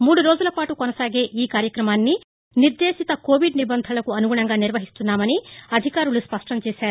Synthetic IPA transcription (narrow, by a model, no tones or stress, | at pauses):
muːɽuɾo̞ːd͡ʒulɐpaːʈukonɐsaːɡe̞ːʔiːkaːɾjɐkɾɐmaːnːi | niɾd̪eːʃit̪ɐko̞ːʋiɖnibɐnd̪ʱɐlɐkuɐnuɡuɳɐŋɡaːniɾʋɐɦist̪unːaːmɐniɐd̪ʱikaːɾuluspɐʂʈɐmt͡ʃeːsaːɾu